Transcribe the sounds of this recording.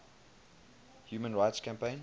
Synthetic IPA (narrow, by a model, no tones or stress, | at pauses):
hjuːmə̃nɹaɪtskʰæ̃mpẽɪ̃n